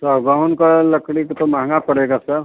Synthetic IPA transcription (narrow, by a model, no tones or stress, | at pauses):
t̪oɡãʊnkalɐkɽikt̪omaːŋapɐɽeːɡasəɾ